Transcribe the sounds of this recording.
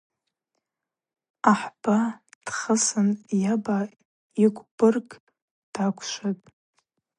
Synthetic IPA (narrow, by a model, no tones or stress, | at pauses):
aħb̥ad̥χəsɨnjaba | ikʷʼb̥ɨrɡʼ | d̥akʷʰʃʷatʼ